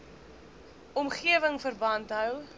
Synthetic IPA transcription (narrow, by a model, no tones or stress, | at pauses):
ɔmχiəvəŋfərbɐntɦœw